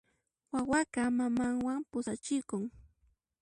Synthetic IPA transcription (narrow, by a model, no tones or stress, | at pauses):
wawakɑmamaŋwampʊsat͡ʃɪkʊŋ